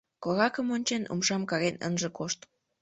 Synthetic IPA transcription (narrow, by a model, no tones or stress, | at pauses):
koɾɑkəmonʲt͡ɕenṵmʃɑmkɑɣenə̰nʒə̆koʃt̪